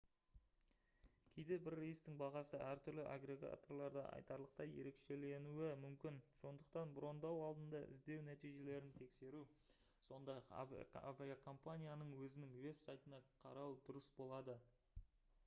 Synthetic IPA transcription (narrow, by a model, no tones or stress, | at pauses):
kʲʰejd̪e̞bɪɾːejst̪ɪŋbɑʁɑsəʔæɾt̪ʰʏɾlɪʔa̰ɡɾe̞ɡa̰t̪o̞rlˠɑɾd̪ɑ̰ʔɑ̰jt̪ɑɾlˠəq̚t̪ɑje̞̰ɾe̞kʃe̞le̞nuɪmʏmkʲɪnso̞nd̪əq̚t̪ɑnbɾo̞nd̪ɑwɑlˠd̪ənd̪ɑʔɪ̰zd̪e̞wnæt̪ijʒe̞le̞ɾɪnt̪ʰe̞kse̞ɾu | so̞nd̪ɑjqa̰v̰a̰viakʰo̞mpanʲijanəɴwɵzɪnɪŋwe̞psajt̪ənɑqʰɑ̰ɾɑwd̪ʊɾəsbo̞lˠɑd̪ə